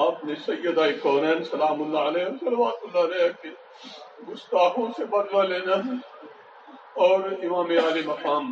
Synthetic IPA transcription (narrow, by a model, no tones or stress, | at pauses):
ɐpnesɐjːəd̪aːikɔːɾɛ̃ːnsɐlaːmʊlːaːɐleːsɐlʋaːt̪ʊlːaːleːke | ɡʊst̪aːɦõsebɐnʋaleːna | ɔːɾɪmãːmeaːlimɐkaːm